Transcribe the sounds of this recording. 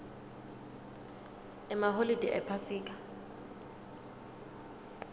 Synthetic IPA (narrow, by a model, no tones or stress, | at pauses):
ɛmaɦolid̥ʱiʔɛ̰pʰasiːkʼḁ